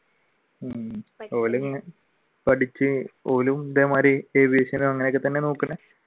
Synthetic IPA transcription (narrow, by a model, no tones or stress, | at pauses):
oːluŋne | pɐʈʰit͡ɕːɨoːlumd̪eːmaːɾeeːbeːɕɐnumɐŋːɐnekːɨt̪ːɐnːe̞nuːkːɨɳːɐ